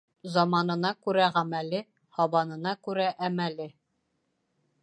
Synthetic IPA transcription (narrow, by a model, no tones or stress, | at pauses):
zɒmɑnɤ̆nɑkʉɾæʁæmælɘ | hɒβɑnɤ̆nɑkʉɾæʔæmælɘ